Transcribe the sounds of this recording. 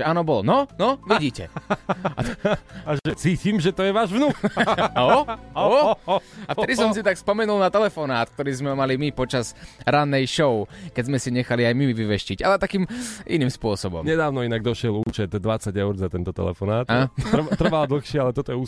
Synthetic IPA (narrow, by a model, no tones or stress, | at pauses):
ʒɛaːnɔbɔlɔnɔnɔʋiɟiːcɛ̰ | aaʒɛt͡siːciːmʒɛt̪ɔjɛʋaːʒʋnuːkaɔ | aft̪ɛd̪issɔms̬it̪akspɔmɛnulnat̪ɛlɛfɔnaːt̪k̚t̪ɔɾiːzmɛmalimipɔt͡ʃazɾanːɛjʃɔʊkɛɟzmɛsiɲɛxaliajmiʋiʋɛʃciɟalɛt̪akiːmʔḭniːmspʊɔsɔbɔ̰mɲɛd̪aːʊnɔinaɡd̪ɔʃɪɛluːt͡ʃɛt̪d̪ʋat͡saɟɛʊɾzat̪ɛnt̪ɔt̪ɛ̰lɛ̰fɔnaːt̪at̪r̩ʋald̪l̩ˠxʃɪɛalɛt̪ɔt̪ɔjɛus